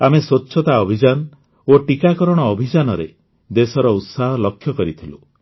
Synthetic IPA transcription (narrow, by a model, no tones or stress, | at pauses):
ameswotːʃʰɔt̪aɔbʱid͡ʒan | oʈikakɔɾɔɽ̃ɔːbʱid͡ʒanɔɾḛ | d̪esɔɾɔut̪saɦɔlɔkʰːjɔkɔɾit̪ʰilu